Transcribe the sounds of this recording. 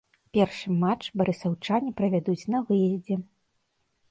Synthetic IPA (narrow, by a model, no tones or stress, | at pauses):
pʲɛrʂɨmat͡ʂbɐɾɨsawt͡ʂanʲipɾɐvʲad̪ut͡sʲnɐvɨjɛzʲd͡zʲɛ